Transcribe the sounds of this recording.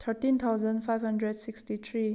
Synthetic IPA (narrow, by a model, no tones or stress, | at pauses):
t̪ʰəɹtĩnt̪ʰaʊzə̃ndfajvhʌ̃ndɹɛdsikstit̪ʰɹi